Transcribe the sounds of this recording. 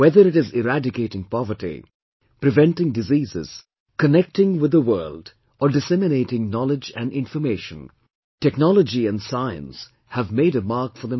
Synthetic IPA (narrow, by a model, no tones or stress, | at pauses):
wɛðəɾɪʈɪzɪɾædɪkeɪɾɪ̃ŋpɔvəɾʈḭ | pɾɨvɛ̃nʈɪ̃ŋdɨziːzɪ̰z̥ | kənɛk̚tɪ̃ŋwɪd̪əwɜːld | ʔəɖɨsɛmɪneɪtɪ̃ŋnɔlɪd͡ʒæ̰̃nɪ̃ɱfəmeɪʃə̃n | tɛknɔləd͡ʒiæ̃ndsaɪə̰̃ns | hævmeɪɾəmaɾkfəɾðə̃